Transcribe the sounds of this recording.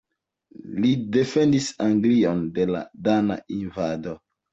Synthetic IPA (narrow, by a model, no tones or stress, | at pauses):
lide̞fe̞ndisaŋɡlio̞nde̞la̰dana̰invado̞